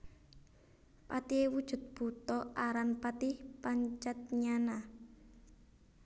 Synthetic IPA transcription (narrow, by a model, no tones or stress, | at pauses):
pat̪iewud̥ʒ̥ṳt̪̚b̥ṳt̪ɔaɾanpat̪ihpaɲt͡ʃat̪̚ɲana